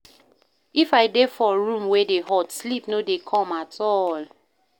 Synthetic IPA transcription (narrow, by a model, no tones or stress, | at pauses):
ifaɪdefɔɹũmwedeɦɔtslipnodekʰɔ̃matʰɔl